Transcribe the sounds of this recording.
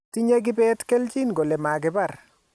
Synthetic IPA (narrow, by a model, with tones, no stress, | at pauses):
ti˦ɲe˦ɡɪ˦bɛ˦tke˦ld͡ʒi˦nɡo˨lɛ˨ma˨ɡɪ˨ba˦˨r